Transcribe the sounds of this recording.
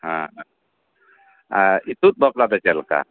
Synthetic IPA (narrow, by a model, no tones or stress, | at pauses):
hã | ait̪ut̪̚bɔplabɛt͡ʃɛlka̰